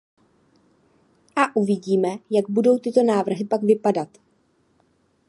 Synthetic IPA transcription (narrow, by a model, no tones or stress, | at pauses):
ʔaʔuvɪɟiːmɛjaɡbudo̞wt̪ɪt̪o̞naːvr̩ɦɪpaɡvɪpadat̪